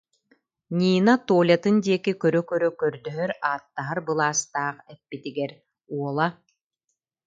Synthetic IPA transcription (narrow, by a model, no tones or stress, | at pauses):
nʲiːnat̪uːlʲat̪ɯnd̪iɛkikœɾœkœɾœkœɾd̪œɦœɾaːt̪ːaɦaɾbɯlˠaːst̪aːqɛpːit̪iɡɛɾ | uɔlˠa